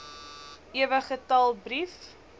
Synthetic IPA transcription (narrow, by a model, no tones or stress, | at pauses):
ʔiəvəχətɐlˠbrif